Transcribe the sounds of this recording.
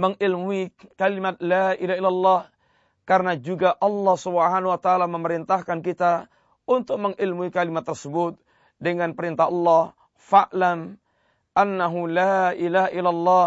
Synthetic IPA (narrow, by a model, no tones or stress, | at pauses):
məŋilmuikalimat̪̚laʔilaɦilːalːɔh | karnad͡ʒuɡaʔɑlːɔhsubɦanwat̪aʔːlaməməɾint̪ahkankit̪a | unt̪ʊk̚məŋʔilmuikalimat̪ːərsəbut̪̚ | dəŋanpəɾint̪aɦɑlːɔh | faʔlam | ʔanːaɦulaʔilaɦaʔilalːɔ